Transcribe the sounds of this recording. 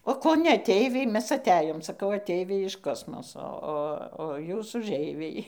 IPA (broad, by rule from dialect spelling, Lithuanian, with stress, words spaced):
oː ˈkoː nʲɛ ɐˈtʲɛɪʋʲɛɪ ˈmʲɛs ɐˈtʲæːjoːm sɐˈkɐʊ ɐˈtʲɛɪʋʲɛɪ ɪʃ ˈkoːsmoːsoː ˈoː oː ˈjuːs ʊʒʲˈɛɪʋʲɛɪ